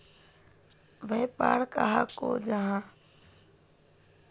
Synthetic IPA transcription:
ʋepa̰ːɽkaɦako̰ːd͡ʒaɦãː

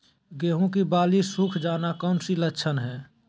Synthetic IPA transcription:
ɡeːɦũkibaːlisukʰd͡ʒaːnakɔːnsilətːʃʰənɦɛː

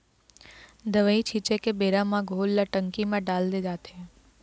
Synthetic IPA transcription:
d̪əʋəit͡ʃʰit͡ʃekebeɾamãɡʱolːaʈəŋkimãɖald̪ed͡ʒat̪ʰe

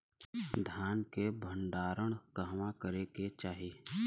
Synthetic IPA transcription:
d̪ʱjaːnkebʱəɳɖaːɾəɽ̃kəɦʋãkəɾeket͡ʃaːɦiː

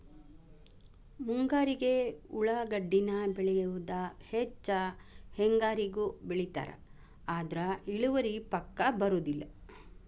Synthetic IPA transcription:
muŋɡaːɾiɡe̞uɭɐɡɐɖːinɐbɛɭɛjuʋud̪ɐhet͡ʃːɐheŋɡaːɾiɡubeɭit̪a̰ːɾɐ̰ | aːd̪ɾɐiɭuʋɐɾipɐkːɐbɐɾud̪ilːɐ

